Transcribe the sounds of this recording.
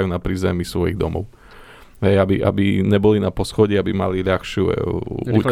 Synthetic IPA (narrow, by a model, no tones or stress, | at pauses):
junapɾizɛmisʋɔjiɣd̪ɔ̰mɔ̰ʊ | ɦɛjabiʔa̰biɲɛbɔlinapɔsxɔɟiabimaliʎaxʃɪṵu